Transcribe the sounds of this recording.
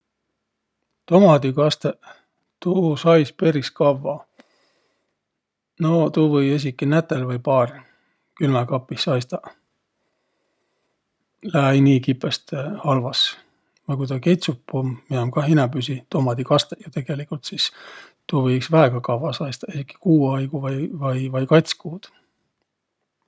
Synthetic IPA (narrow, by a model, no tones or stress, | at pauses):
t̪omɑd̪ikɑst̪e | t̪uːsɑjspe̞ɾiskɑvːɑ | not̪uːvɤje̞s̬ʲikːˑinæt̪ːelvɤjpɑːr | kylmɑkɑpːisːɑjst̪ɑ | læjniːkipːˑest̪hɑlvɑs | vɑjk̬ujt̪ɑkejt̪supːumːiɑmkɑɦinɑbysit̪omɑd̪ikɑst̪ejɑt̪e̞ɡ̥e̞likult̪sis | t̪uːvɤjksvæeɡ̥ɑkɑvːɑsɑjst̪ɑesikːˑi̥kuːɑjɡ̥uvɑjvɑjvɑjkɑjt̪ʲskuːd̪̥